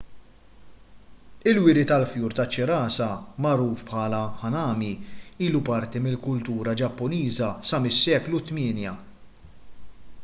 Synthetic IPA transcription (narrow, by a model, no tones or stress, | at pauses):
ɪlwɪɾit̪ɐlfjuːɾt̪ɐt͡ʃːɪɾɐːsɐmɐɾuːfpħɐːlɐħɐnɐːmiiːlupɐɾt̪imɪlkʊlt̪uːɾɐd͡ʒɐpːʊniːzɐsɐmɪsːɛːklut̪mɪːnjɐ